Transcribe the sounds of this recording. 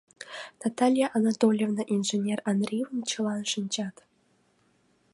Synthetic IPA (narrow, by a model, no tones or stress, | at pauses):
nat̪alʲijaʔanat̪olʲjevnəʔinʐenʲeranrʲijvənt͡ɕʰɤlˠɑnʂɨnʲd͡ʑɑt̪